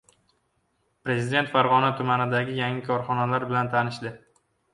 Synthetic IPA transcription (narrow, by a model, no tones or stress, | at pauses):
pɾe̞zɪd̪e̞nt̪faɾʁɒnat̪ʰʊmanɪd̪aɡʲɪjaŋɪkʰɒɾχɒnalaɾbɪlant̪ʰanɪʃd̪ɪ